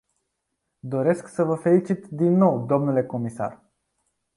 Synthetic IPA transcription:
d̪o̞ɾe̞sksəvəfe̞lit͡ʃit̪d̪inːo̞wd̪o̞mnule̞ko̞misa̰r

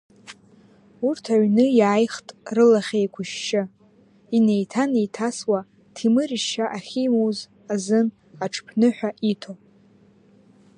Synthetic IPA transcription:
urtʰaɥnɨjaːjχtʼrɨlaχʲejkʷʰʊʃːɪ | ine̞jtʰanejtʰaswa | tʰimɨriʃaʔaχʲimoz | azɨn | aʈ͡ʂʰpʰnɨħʷᶣaʔitʰo

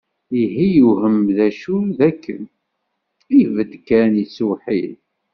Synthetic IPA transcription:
iɦijuɦəmðæʃuðækʰːə̰n | ijvəd̪kænjəsuħil

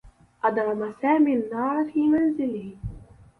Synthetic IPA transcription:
ʔɑd̪ɾˤɑmasaːmiːnːɑːɾˤfiːmanzɪlɪh

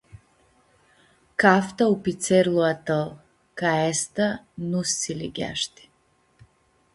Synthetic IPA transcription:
kaft̪aupit̪sɛɾlˠuat̪alˠ | kaɛst̪a | nusːilḭɡʲa̰ʃt̪i̥

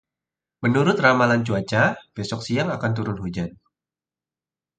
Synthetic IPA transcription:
mənuɾʊt̪ramalant͡ʃuat͡ʃab̥esɔk̚siaŋakant̪̬uɾʊnhud͡ʒan

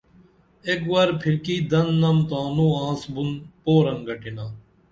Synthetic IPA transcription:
ekʋaɾpʰɪɾkiːd̪ɐnːɐmt̪aːnũːãːsbʊnpoːɾəŋɡəʈɪnãː

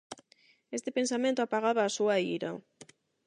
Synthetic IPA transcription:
est̪epensamẽnt̪oapaɣ̞aβaːsuaiɾa̰

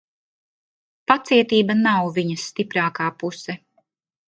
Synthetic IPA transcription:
pat̪siɛt̪iːbɐnawviɲɐsːt̪ipɾaːkaːpusɛ

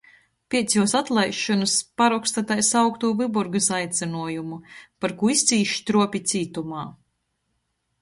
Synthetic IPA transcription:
pʲiɛt̪sʲjuɔsat̪lˠajʃːɔnɨspaɾɔkst̪at̪ajsawkt̪uːvɨbuɾɡɨsajt̪sʲɛnuɔjumupaɾkuist̪siːʃt̪ɾuɔpʲit̪siːt̪umaː

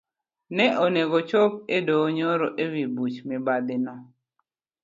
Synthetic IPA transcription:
nɛʔoneɡot͡ʃop̚edoːɲoɾoʔewibut͡ʃmɪbad̪ɪnɔ

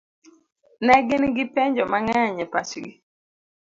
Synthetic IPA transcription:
nɛɡɪnɡɪpɛɲd͡ʒɔmaŋɛaɲɛpat͡ʃɡi

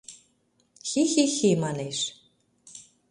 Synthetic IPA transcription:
xixixemɑneʃ

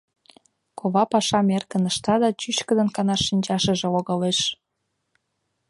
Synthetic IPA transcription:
koβɑpɑʃɑmerkə̆nəʃt̪ɑd̪ɑt͡ɕyɕkə̆d̪ə̆nkɑnɑʃinʲt͡ɕɑʃə̆ʒĕloɣɑleʃ

